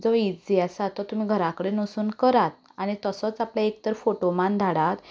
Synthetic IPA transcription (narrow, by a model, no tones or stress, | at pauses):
d͡zɔid͡zd͡ziasat̪ɔt̪um̤iɡʱəɾakəɽenəsuːnkəɾat̪̚ | aɽ̃it̪əsɔt͡sapljaekt̪əɾfoʈomãnd̪ʱaɽat̪